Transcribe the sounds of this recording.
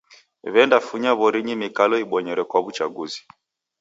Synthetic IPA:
βɛndafuɲaβɔɾiɲimikalɔiɓɔɲɛɾɛkwaβut͡ʃaɡuzi̥

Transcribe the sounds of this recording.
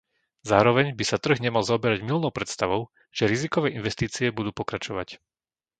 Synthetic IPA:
zaːɾɔʋɛɲbisat̪r̩ɣɲɛmalzaɔbɛɾaɟmilnɔʊpɾɛt̪st̪aʋɔʊ | ʒ̥ɛɾizikɔʋɛːʔinʋɛst̪iːt͡siɛbud̪uːpɔkɾat͡ʃɔʋac

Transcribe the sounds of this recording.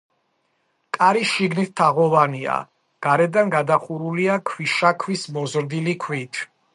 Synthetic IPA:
kʼaɾiʃiɡnit̪̚ʰt̪ʰːaʁɔvania̰ | ɡ̥aɾɛd̪anɡad̪aχuɾuliakʰwiʃakʰwismɔzɾd̪ilikʰwit̪ʰ

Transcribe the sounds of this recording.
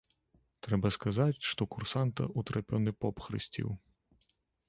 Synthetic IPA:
t̪ɾɛbɐskazat͡sʲʂt̪ɔkursant̪ɐ̰ʔut̪ɾapʲɔnɨpɔpxɾɨ̰sʲt͡sʲḭw

